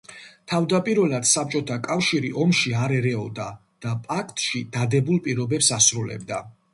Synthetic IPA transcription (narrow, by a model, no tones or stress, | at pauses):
t̪ʰavd̪apʼiɾvɛlad̪̥sap̚t͡ʃʼɔt̪ʰakʼafʃiɾiʔɔmʃiaɾɛɾɛɔd̪a | d̪̥apʼakʰt̪ʼʃid̪̥ad̪ɛbulˠpʼiɾɔbɛpsasɾulɛ̰b̚d̪a̰